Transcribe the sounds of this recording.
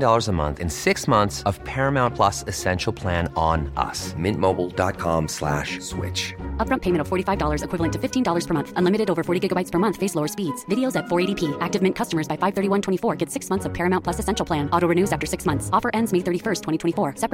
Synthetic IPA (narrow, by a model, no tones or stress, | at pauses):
dɔlˠə˞zəmʌ̰̃nθɨ̰̃nsɪksmʌ̃nθsʌv̥pʰɛɹɨmãʊ̃npʰl̥ʌsɨsɛ̃nʃl̩ˠpʰl̥æ̃ñnʌ̰smɪ̃nmoʊbl̩ˠdɑ̰t̚kʰɑ̰̃mslæ̰ʃswɪ̰t͡ʃʌp̚ɹʌ̃mpʰeɪmɨ̃ñtʌv̥fɔɹɾifaɪvdɔlˠə˞zɨkʰw̥ɪvl̩ˠə̃ntʰɨfɪftʰĩndɔlˠə˞z̥pʰə˞mʌ̃nθə̃nlɪ̃mɨɾɨɾoʊvə˞fɔɹɾiɡɪɡəbaɪtspʰə˞mʌ̃nθfeɪsloʊə˞spidz̥vɪɾioʊzɨtfɔɹeɪɾipʰiʔæk̚tɨvmɪ̃nkʰʌstəmə˞zbaɪfaɪv̥θɜ˞ɾiwʌ̃ntʰw̥ɛ̃ifɔɹɡɛtsɪksmʌ̃nθsʌv̥pʰɛɹɨmãʊ̃npʰl̥ʌsɨsɛ̃nʃl̩ˠpʰl̥æ̃nɔɾoʊɹɨnʉzæftə˞sɪksmʌ̃nθsɔfə˞ʔɛ̃ndzmeɪθɜ˞ɾifɜ˞stʰwɛ̃ɾ̃itʰwɛ̃ifɔɹsɛp